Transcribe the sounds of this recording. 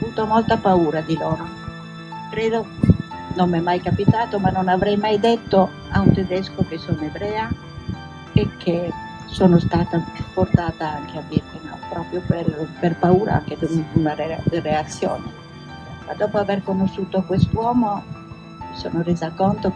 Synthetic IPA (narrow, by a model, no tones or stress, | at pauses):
avuːt̪omɔlt̪apauːɾad̪ilɔːɾo | kɾeːd̪o | nomːɛmːajkapit̪aːt̪omanːonavɾɛjmajd̪et̪ːo | aunt̪ed̪ɛskokesonebɾɛːa | ekʰːe | soːnost̪aːt̪afort̪aːt̪aaŋk̟ʰead̪it̪enɔ̰pɾɔːpɾjopeɾperpauːɾa̰a̰ŋk̟ed̪ununaed̪ireat̪sːjɔ̰ːnḛ | ma̰d̪ɔːpoavɛrkonosːuːt̪okwest̪wɔːmo | miso̰ːnoreːzakɔnt̪o